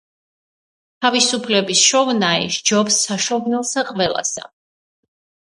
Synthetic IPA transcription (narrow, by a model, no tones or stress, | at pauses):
t̪ʰavisupʰlɛbisʃɔvnaḭʃd͡ʒɔbsːaʃɔvnɛlˠsaqʼvɛlˠa̰sa̰